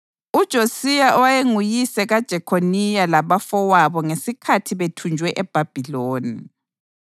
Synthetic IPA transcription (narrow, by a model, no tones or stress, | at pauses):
ud̥ʒ̥ʱosijaʔɔwajeŋujisɛɣad̥ʒ̥ʱɛkʰonijalaβafɔwaβɔŋesikʰatʰiβetʰund͡ʒʱwɛʔɛb̥ʱab̥ʱiloːni